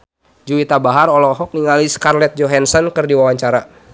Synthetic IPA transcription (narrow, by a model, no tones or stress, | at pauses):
d͡ʒuit̪abaɦaɾɔlɔɦɔk̚niŋaliskarlɛt̪̚d͡ʒɔɦansɔnkɨrdiwawaɲt͡ʃaɾa